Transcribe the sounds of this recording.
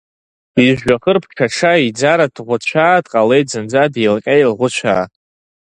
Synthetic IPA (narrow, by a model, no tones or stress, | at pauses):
iʒᶣaχərpʰʈ͡ʂʰaʂaid͡zaɾadʁʷʊt͡ɕʷʰaːdʼqʼalejtzɨnd͡zadelkʲʼajilʁʷʊt͡ʃʷʰa̰ː